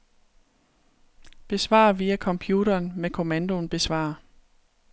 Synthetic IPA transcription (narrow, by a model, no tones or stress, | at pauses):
b̥e̝sʋɑ̰̈ːʋiːækʰɒ̽mpʰjuːɾɐːnmekʰo̝mænd̥o̝nb̥e̝sʋɑ̰̈ː